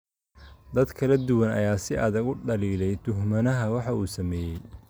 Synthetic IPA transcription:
d̪ɐd̪kʰɐlɐd̪ʊwɐnɐ̰jaːsɪʔɐðɐɡʊɖɐliːlɛjt̪ʰʊɦmɐnɐɦɐwɑħɑuːsɐmɛːjɛj

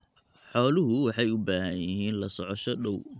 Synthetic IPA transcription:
ħɔːlʊɦʊwɑħɑjʊbaːɦɐjɪɦiːnlɐsɔʕɔʃɔɗɔw

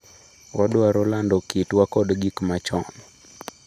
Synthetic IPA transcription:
wadʊaɾɔlandɔkitwakɔdɡikmat͡ʃɔnɔ

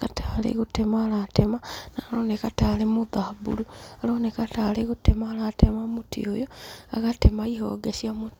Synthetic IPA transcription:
katʰalḛɣutemaːlatemanalonekatalemuðahbṵlualoːnekataleɣutemaːlatʰemamutḭo̰joa̰ɣatemaiɦo̰ːɡesiamu

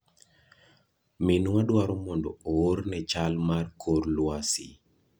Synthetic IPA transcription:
minwadwaɾɔmɔndɔ̰oornɛt͡ʃalmarkʰorlwasi

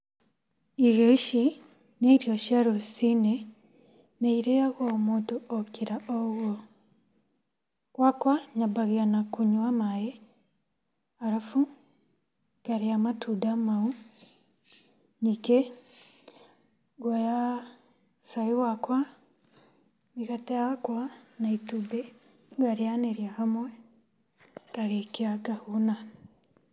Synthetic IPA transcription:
iɾjoʃi | neiɾjoʃiaɾosine | neiɾejaɣomuːntuʔokiɾaʔoɣwo | kwakwaɲabaɣianakuɲwamaje | aɾafu | kaɾeamatudamau | nike | ɡwaja | saiwakwa | miɣatejakwanaitube | ɡaɾeaneɾjahamwɛ | kaɾekiaɡahuna

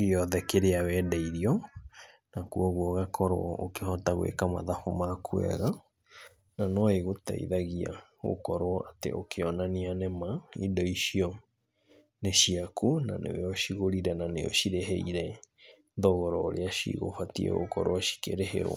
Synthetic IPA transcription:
ɡeɔðɛkeɾeawɛdaiɾiɔ | nakuɔɣwɔɣakʰɔɾoɔokehɔtaɣwḛkama̰ðafomakʰuɛ̰ɣa | nanɔeɣota̰ḭðaɣia̰ɣo̰kɔɾwɔʔatḛʔokʰeɔnanianɛmaidɔiʃiɔ | neʃiakʰuna̰nḛwɛɔʃiɣoɾiɾɛnaneɔ̰ʃiɾeɦɛiɾɛ | ðɔɣɔɾɔoɾeaʃḭɣo̰fatiɛ̰ɣo̰kɔɾoɔʃi̥kḛɾeɦḛɾwa̰

